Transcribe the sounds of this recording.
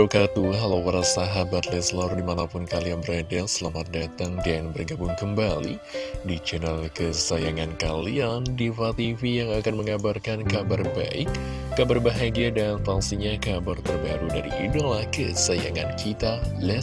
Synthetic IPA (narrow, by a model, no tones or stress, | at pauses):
okat̪uɦalawwaɾasaɦabat̪lɛslɔrdimanapʊnkalianbəɾadasəlamat̪̚dat̪aŋdanbərɡabʊŋkəmbalḭdit͡ʃənalkəsajaŋankaliandifat̪ifijaŋakanməŋabarkankabarba̰ɪkː | abarbaɦaɡiadanfaŋsiɲakabart̪ərbaɾudaɾḭʔidolahkəsajaŋa̰nkʰit̪alɛ